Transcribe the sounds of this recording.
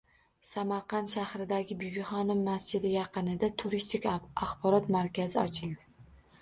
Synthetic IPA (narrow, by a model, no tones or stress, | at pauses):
samaɾqɑnʃahɾɪd̪aɡʲɪbʊɡʲɪχɒnɪmːasd͡ʒɪd̪ɪjɑqɨnɪd̪at̪ʰʊɾist̪ʰɪkʲaχbɒɾɒt̪maɾkʲazɪɒt͡ʃʰɪlˠd̪ɪ